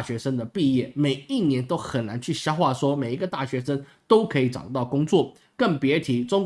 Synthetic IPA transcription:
ɕɥɛ˧˥ʂə˥ŋd̪ə˨pi˥˧jɛ˥˩me˨˩ɪi˥˩njɛ˧˥nt̪o˥ʊxə˨˩nna˧˥nt͡ɕʰy˥˩ɕjɑ˥ʊxwa˥˩ʂwɔ˥me˨˩ɪi˧˥ɡə˧t̪a˥˩ɕɥɛ˧˥ʂə˥ŋ | t̪o˥ʊkʰɤ˧˥i˨˩ʈ͡ʂɑ̰˨˩ʊt̪ɑ˥˩ʊkʊ˥ŋt͡swɔ˥˩ | kə˥˩npjɛ˧˥t̪ʰi˧˥ʈ͡ʂʊ˥ŋ

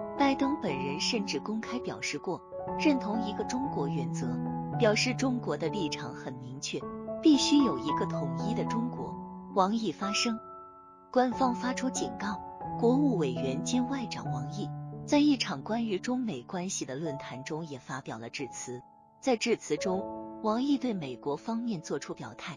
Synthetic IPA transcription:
pa˥˩ɪt̪ɤ˥ŋpə˨˩nɻə˧˥nʂə˥˧nʈ͡ʂɻ̩˥˩kʊ˥ŋkʰa˥ɪpjɑ˨˩ʊʂɻ̩˥˧kwɔ˥˩ɻə˥˩nt̪ʰʊ˧˥ŋi˧˥ɡə˧ʈ͡ʂʊ˥ŋkwɔ˧˥ɥɛ˧˥nt͡sɤ˧˥pjɑ˨˩ʊʂɻ̩˥˩ʈ͡ʂʊ˥ŋkwɔ˧˥d̪ə˧li˥˩ʈ͡ʂʰɑ˨˩˥ŋxə˨˩nmi˧˥ŋt͡ɕʰɥɛ˥˩pi˥˩ɕy˥jo˨˩ʊi˧˥ɡə˧t̪ʰʊ˨˩ŋi˥d̪ə˨ʈ͡ʂʊ˥ŋkwɔ̰˧˥wɑ˧˥ŋi˥˩fa˥ʂɤ˥ŋ | kwa˥nfɑ˥ŋfa˥ʈ͡ʂʰu˥t͡ɕi˨˩nkɑ˥˩ʊkwɔ˧˥u˥˩we˨˩ɪɥɛ˧˥nt͡ɕi˥nwa˥˩ɪʈ͡ʂɑ̰˨˩ŋwɑ˧˥ŋi˥˩t͡sa˥˧ɪi˥˩ʈ͡ʂʰɑ˨˩ŋkwa˥ny˧˥ʈ͡ʂʊ˥ŋme˨˩ɪkwa˥nɕi˨˩d̪ə˩lwə˥˩nt̪ʰa˧˥nʈ͡ʂʊ˥ŋjɛ˨˩fa˥pjɑ˨˩ʊlə˦ʈ͡ʂɻ̩˥˩t͡sʰɹ̩˧˥ | t͡sa˥˧ɪʈ͡ʂɻ̩˥˩t͡sʰɹ̩˧˥ʈ͡ʂʊ˥ŋwɑ˧˥ŋi˥˧t̪we˥˩ɪme˨˩ɪkwɔ˧˥fɑ˥ŋmjɛ˥˧nt͡swɔ˥˩ʈ͡ʂʰu˥pjɑ˨˩ʊt̪ʰa˥˩ɪ

